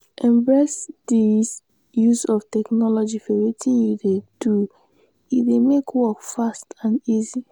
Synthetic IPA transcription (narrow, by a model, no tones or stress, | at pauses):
ɛ̃mbɹɛsdis | jusɔftɛknɔlɔd͡ʒifɔwetʰĩnjuded̥u | idemekwɔkfastãnizi